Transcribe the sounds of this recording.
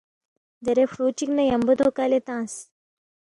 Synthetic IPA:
d̪eɾefɾut͡ɕiknɐjɐmbəd̪ʱokalet̪ãːs

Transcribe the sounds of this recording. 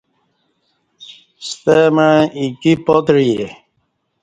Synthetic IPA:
st̪eməikipɔt̪ɾije

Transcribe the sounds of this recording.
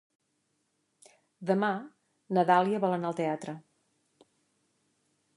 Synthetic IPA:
d̪əma | nəðalˠiəβɔlˠənaəlˠt̪eat̪ɾə

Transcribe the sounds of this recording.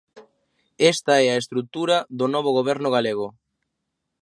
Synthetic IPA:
est̪ɐɛaest̪ɾut̪uɾɐðonɔβ̞oɣ̞oβɛɾnʊɣ̞aleɣ̞o

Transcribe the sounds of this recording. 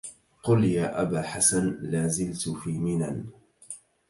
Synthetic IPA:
qʊljaːʔabaːħasanlaːzɪlt̪fiːmɪnan

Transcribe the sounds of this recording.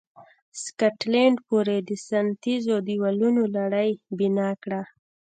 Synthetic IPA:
skaʈlaɳɖpoɾed̪əsant̪izod̪iwalunolaɽəjbinɑkɽa

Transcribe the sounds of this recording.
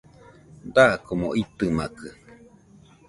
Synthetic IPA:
d̪akomõʔit̪ɨmakɨ

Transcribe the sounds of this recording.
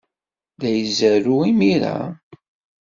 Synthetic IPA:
ðæjəzæɾuimiɾæ̰

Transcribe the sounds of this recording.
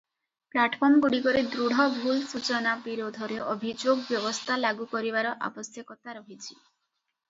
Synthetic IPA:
plaʈpʰɔɾmɡuɽikɔɾed̪ɾuɽ̤ɔbʱulsut͡ʃɔnabiɾod̪ʱɔɾeʔɔbʱid͡ʒoɡbjɔbɔst̪ʰalaɡukɔɾibaɾɔʔa̰bɔsjɔkɔt̪aɾɔɦit͡ʃʰi̥

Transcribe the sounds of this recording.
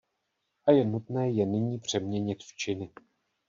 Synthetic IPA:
ʔajɛnut̪nɛːjɛnɪɲiːpr̝̥ɛmɲɛɲɪt̪ft͡ʃɪnɪ

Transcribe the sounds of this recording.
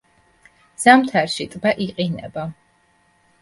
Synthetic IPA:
z̥amt̪ʰaɾʃit̪ʼbaʔiqʼinɛ̰ba

